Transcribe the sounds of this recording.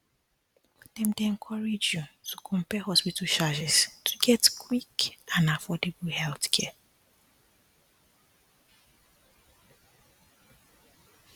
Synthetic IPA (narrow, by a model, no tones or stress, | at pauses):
dɛ̃mdeɛ̃nkʰɔɹed͡ʒjutʰukʰɔ̃mpɛɦɔspitʰaʃad͡ʒɛstʰu̥ɡɛtkʰwikãnafɔdeblhɛlθkʰɛ